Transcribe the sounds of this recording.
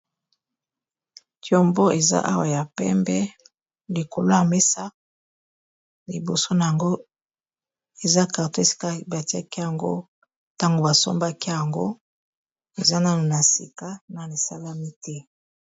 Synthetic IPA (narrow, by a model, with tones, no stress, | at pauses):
tjo˨mbo˦e˨za̰˦ʔa˦wa˨ja˨pɛ̰˦mbɛ˦ | li˨ko˨lo˦ja˨me˦sa˦ | li˨bo˨so˦na˨ja˨ŋɡo˦ | e˨za˦ka˨to˦e˨si̥˦ka˦ba˨ti˦a˦ki˦ja˨ŋɡo̰˦ | ta˦ŋɡo˨ba˨so̰˦mba˦ki˦ja˨ŋɡo̰˦ | e˨za˦na˦no˨na˨si˨ka˦na˨li˨sa˦la˦mi˦tɛ˦